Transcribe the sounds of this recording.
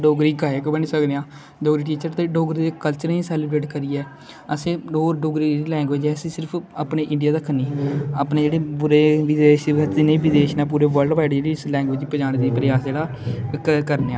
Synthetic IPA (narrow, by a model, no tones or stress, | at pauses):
ɖoːɡɾiːkaːjəkbəniːsəkd̪eãː | ɖoːɡɾiːʈ̬iːt͡ʃəɾt̪eːɖoːɡɾid̪eːkəlt͡ʃəɾĩːsɛːlɪbɾeːʈkəɾiːɛː | əsẽːoːɾɖoːɡɾiːɾiːlɛ̃ːŋɡʋeːd͡ʒɛːsiːsɪɾpʰəpneːʔɪ̃ɳɖɪjaːd̪aːkʰəniːəpneːd͡ʒeːɽeːpʊɾeːʋɪd̪eːʃinẽːʋɪd̪eːʃnãːp̬uːɾeːʋəɾlɖʋaːɪɽd͡ʒeːɽiːslɛ̃ːŋɡʋeːd͡ʒiːpəd͡ʒaːnːd̪iːpɾɪjaːsd͡ʒeːɽaː | kəɾneːãː